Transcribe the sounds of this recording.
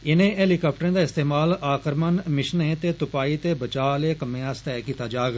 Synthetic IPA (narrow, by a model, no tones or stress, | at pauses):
ɪnẽːɛːlikaːpʰʈəɾẽːd̪aːɪst̪eːmaːlaːkəɾmənmɪʃnẽːt̪eːt̪ʊpaːiːt̪eːbət͡ʃaːleːkəmẽːãːst̪ɛːkiːt̪aːd͡ʒaːɡ